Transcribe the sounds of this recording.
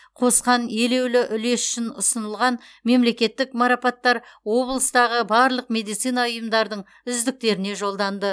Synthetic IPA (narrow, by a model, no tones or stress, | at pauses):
qʰo̞sqɑne̞le̞wlɪʔʏle̞sʏ̥ʃɪnʊsənəlˠʁɑnme̞mle̞kʲe̞t̪ːɪkmɑɾɑpɑt̪ːɑɾwo̞blˠəst̪ɑʁəbɑɾlˠəqme̞d̪ijt̪sijnɑʊjəmd̪ɑɾd̪əɴ | ʏzd̪ɪk̚t̪e̞ɾɪne̞ʒo̞lˠd̪ɑnd̪ə